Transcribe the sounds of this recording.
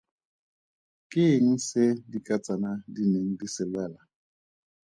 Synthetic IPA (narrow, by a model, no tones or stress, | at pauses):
kʼɪŋ̩sɪdikʼat͡sʼanadineŋ̩disɪlwɛla